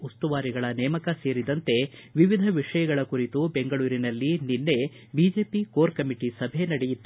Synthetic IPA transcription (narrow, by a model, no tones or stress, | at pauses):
ust̪uʋaːɾiɡɐɭɐnɛːmɐkɐse̞ːɾid̪ɐnt̪e̞ʋiʋid̪ʱɐʋiʂɐjɐɡɐɭɐkuɾit̪ube̞ŋɡɐɭuːɾinɐlːininːe̞ | bid͡ʒe̞ːpikoːɾkɐmiʈisɐbʱenɐɽejit̪ːu